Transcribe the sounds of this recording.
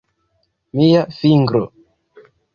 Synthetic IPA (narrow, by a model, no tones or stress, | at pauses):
mijafiŋɡɾo̰